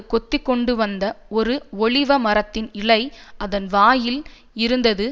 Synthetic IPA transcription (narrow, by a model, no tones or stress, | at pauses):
kɔt̪ːɪkːɔɳɖɯʋɐnd̪ɐɔɾɯɔɭɪʋɐmɐɾɐt̪ːɪnɪɭɐɪʔɐðɐnʋaːjɪl | ɪɾɯnd̪ɐðɯ